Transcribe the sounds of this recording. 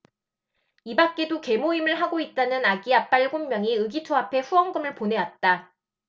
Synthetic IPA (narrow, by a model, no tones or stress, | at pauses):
ibak̚k͈e̞doke̞moimɯɭɦaɡoit̚t͈anɯnaɡiap͈aɭɡommjʌŋiɯɡitʰoapʰe̞ɸuwʌŋɡɯmɯɭpone̞wat̚t͈a